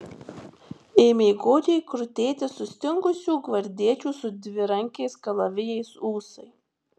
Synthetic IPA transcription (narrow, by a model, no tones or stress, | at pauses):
eːmʲeːɡoːd͡ʒʲɛɪkɾʊt̪ʲeːt̪ʲɪsʊsʲt̪ʲɪŋɡʊsʲuːɡʋɐɾʲd̪ʲiɛt͡ʃʲuːsʊd̪ʲʋʲɪɾɐŋʲkʲɛɪskɐlˠɐʋʲɪjɛɪsuːsɐɪ